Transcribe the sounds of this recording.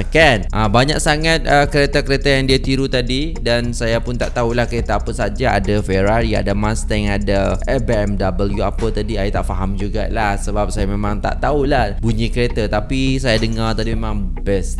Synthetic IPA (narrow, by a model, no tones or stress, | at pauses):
kanʔabaɲa̰k̚saŋat̪̚əkəɾet̪akəɾet̪ajaŋdiat̪iɾut̪adi | dansajapʊnt̪aʔt̪aulahkəɾet̪aapəsad͡ʒaa̰dafɛɾaɾia̰damãst̪ɛŋadaʔɛbeɛmdabəljuapət̪adiajit̪aʔfaɦamd͡ʒuɡa̰lahsəbap̚sajamemãŋt̪a̰ʔt̪aulahbuɲikəɾet̪at̪apisajadəŋart̪adimemãŋ | bɛs